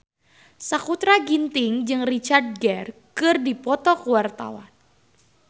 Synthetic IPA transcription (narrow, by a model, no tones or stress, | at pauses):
sakut̪ɾaɡint̪ɪŋd͡ʒɨŋrit͡ʃard̚ɡɛrkɨrdipɔt̪ɔkəwart̪a̰wa̰n